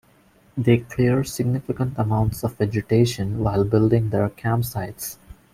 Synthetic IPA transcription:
d̪eːkʰliəɾsɪɡ̚nɪfɪkə̃ɳʈəmãʊ̃ɳʈsɔʋʋɛd͡ʒɪʈeːʃə̃nʋaɪlbɪlɖɪ̃ŋd̪əɾkʰæ̃msaɪʈs

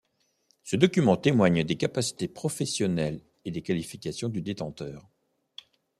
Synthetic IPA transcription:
səd̪ɔkʲymɑ̃t̪emwaɲd̪ekapasi̥t̪epχɔfɛsjɔnɛl | ed̪ekalifikʲasjɔ̃d̪yd̪et̪ɑ̃t̪œːʁ

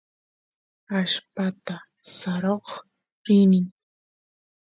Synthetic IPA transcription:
aʃpat̪a | saɾoχ | ɾɪnɪŋ

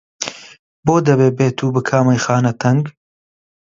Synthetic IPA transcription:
boːd̪ɐbeːbeːt̪ʰuːbɨkʰaːmɐjxaːnɐt̪ʰɐŋɡ

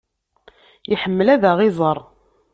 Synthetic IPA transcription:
iħəmːəlæðæʁɪzˤəɾˤ

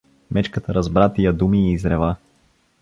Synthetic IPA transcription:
mɛt͡ʃkət̪əɾɐzbɾat̪ijəd̪umiːzɾɛva

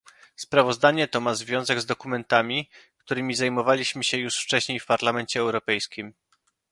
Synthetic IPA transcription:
spɾavɔzd̪aɲɛt̪ɔmazvʲjɔ̃w̃zɛɡzd̪ɔkumɛnt̪amʲikt̪uɾɘmʲizajmɔvalʲiɕmɘɕɛjuʂft͡ʂɛɕɲejfpaɾlamɛnt͡ɕɛːwɾɔpɛjskʲim

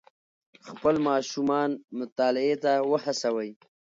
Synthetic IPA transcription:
xpəlmɑːʃumɑnmʊt̪ɑːlɪet̪awəhasawəj

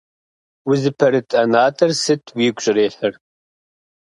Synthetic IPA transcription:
wɪzɨpʰɐɾɨt̪ʰʼɐnaːt̪ʰʼɐɾsɨt̪ʰwiːɡʷʼɕʼɾeːħəɾ

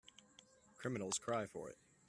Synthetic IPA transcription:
kʰɹ̥ɪmɨnl̩ˠz̥kʰɹ̥aɪfə̰˞ɪ̰t̚

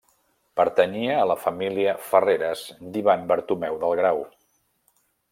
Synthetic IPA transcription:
pəɾt̪əniəːləfəmiliəfəreɾəzd̪iβambəɾt̪umɛwðəlˠɣɾaw

